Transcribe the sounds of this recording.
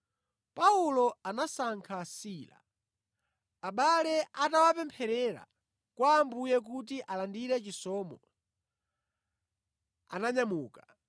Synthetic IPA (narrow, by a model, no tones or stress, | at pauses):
paulɔanasaŋkʰasiːla̰ | aɓalɛʔatawapɛmpʰɛɾɛɾa̰ | kwaːmbujɛk̬ut̬iʔalandiɾɛt͡ʃisɔːmɔ | a̰naɲamuːkḁ